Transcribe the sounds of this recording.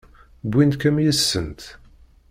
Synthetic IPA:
bʷːind̪kæmjəsːənt̪

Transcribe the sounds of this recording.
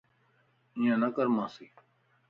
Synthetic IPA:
ɪ̃ːãːnəkəɾmãːsiː

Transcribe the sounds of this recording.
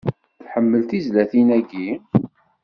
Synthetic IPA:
θħəmːəlt̪izlæθinæɡi

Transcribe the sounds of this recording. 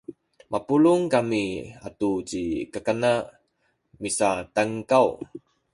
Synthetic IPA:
mʔapuluŋkamia̰tut͡ɕikəkana | misataŋkaw

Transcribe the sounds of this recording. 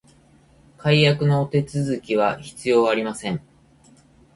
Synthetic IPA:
kaijakɯ̟no̞ːt̪e̞t͡sɨzɨkʲiβ̞açi̥t͡sɨjo̞ːaɾʲimasẽ̞ŋ

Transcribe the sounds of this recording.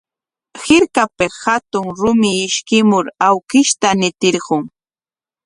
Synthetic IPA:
hɪɾkapeshat̪ʊŋɾʊmɪːʃkɪmʊɾawkɪʃt̪anɪt̪ɪɾɢʊŋ

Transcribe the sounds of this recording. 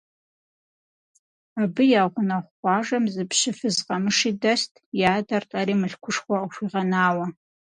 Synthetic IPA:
abɨjaːʁʷʊnɐχʷɑːʐɐmzɨpʰɕɪfɨzqʼɐmɨʂidɐstʰʼjaːdɐrtʼɐɾiːmɨɬkʷʰʊʂχʷɔʃʷiːʁɐnaːwɐ

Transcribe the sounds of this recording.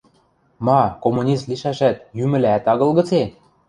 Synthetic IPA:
mɑkomunʲist̪liʃæʃæt̪̚jymɘ̆læt̪ɑɣɤ̆lɣɤ̆t͡se

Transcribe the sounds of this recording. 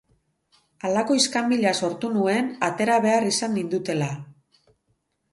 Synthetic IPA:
alako̞iskambiʎaso̞ɾt̪unue̞nat̪e̞ɾaβ̞e̞arisanːind̪ut̪e̞la

